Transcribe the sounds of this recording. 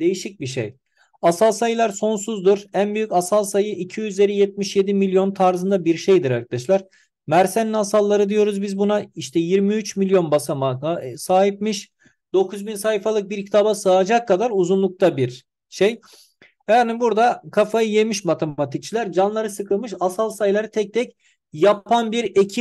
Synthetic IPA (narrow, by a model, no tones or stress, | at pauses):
d̪e̞jiʃic̚biʃḛj | asalˠsajɯlˠaɾso̞nsuzd̪uɾænbyjycasalˠsajɯʔicʰijyzlʲe̞ɾijɛt̪̚miʃje̞d̪imilʲjo̞nt̪ʰaɾzɯnd̪abiɾʃejd̪iɾaɾkʰad̪aʃlˠaɾ̥ | mæɾseninasalˠːaɾɯd̪ijo̞ɾuzbizbunaiʃt̪ʰɛjiɾmiyt͡ʃmilʲjo̞nbasamaksaːɦip̚miʃ | d̪̥o̞kʰuzbinsahifalˠɯk̚biɾcʰi̥t̪ʰabasaːd͡ʒakʰːad̪aɾuzunlˠuk̚t̪ʰabiɾ | ʃej | anibuɾd̪akʰafajɯje̞miʃmat̪ʰeat̪ʰic̚t͡ʃʰilʲæɾd͡ʒanlˠaɾɯsɯkʰɯlˠmɯʃasalˠsajlˠaɾɯt̪ʰɛc̚t̪ʰɛc | japʰanbiɾecʰi